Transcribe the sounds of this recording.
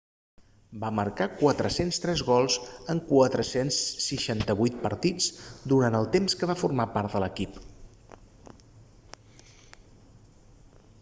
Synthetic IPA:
baməɾkakwat̪ɾəsenst̪ɾɛzɣɔlˠzəŋkwat̪ɾəsensːiʃant̪əβujt̪̚pəɾt̪it͡sd̪uɾant̪əlˠt̪emskəβafurmapaɾt̪d̪ələkip

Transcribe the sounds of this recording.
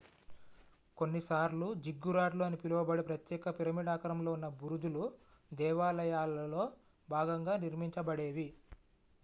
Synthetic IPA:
ko̞nːisaːɾlud͡ʒiɡːuɾaːʈluɐnipiluʋɐbɐɽipɾɐt̪jɛːkɐpiɾɐmiɽaːkɐɾɐmlo̞ːunːɐbuɾud͡ʒ̪ulu | d̪ɛːʋaːlɐjaːlɐlo̞ː | bʱaːɡɐŋɡaːniɾmiɲt͡ʃɐbɐɽeːʋi

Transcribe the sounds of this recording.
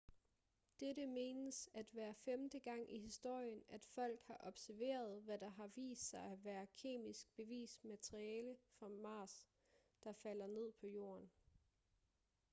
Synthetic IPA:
d̥eɾəme̝ːnəsæd̥ʋæːɐfemd̥əɡ̥ɑ̈ŋ̰ʔihisd̥o̝ɐ̰jənæd̥fɒ̽l̰ɡ̥hɑ̈ʔɒ̽b̥sæɐʋe̝̰ːɐð̞̩ˠʋæd̥ɑ̈ɦɑ̈ʋḭːsd̥sɑ̈ɪæʋæːɐkʰe̝̰ːmisɡ̥̚b̥e̝ʋḭːsmæt͡sʰʁiɛːləfɒmɑ̈ːs | d̥ɑ̈fæl̰ɐne̝ð̞̰ˠpʰɒ̽jo̝̰ːɐn

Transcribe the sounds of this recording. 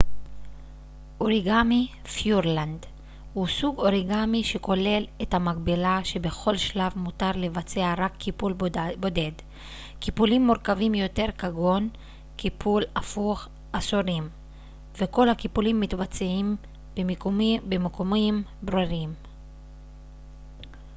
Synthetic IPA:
ʔoʁiɡami | fjuʁland̪ | husuɡo̞ʁiɡamiʃeko̞le̞lethamaɡbilaʃe̞be̞χo̞lʃlavmutaʁle̞vat͡se̞aʁakʰːipulbode̞d | kipulimːoʁkavimjo̞te̞ʁkaɡo̞n | kipʰulafuχ | ʔasoʁim | veko̞lhakipulimːit̪bat͡seim | bemekomimbʁiʁim

